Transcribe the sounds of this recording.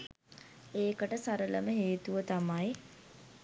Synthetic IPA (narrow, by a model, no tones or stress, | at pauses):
eːkəʈəsaɾələməɦeːt̪uʋət̪amaj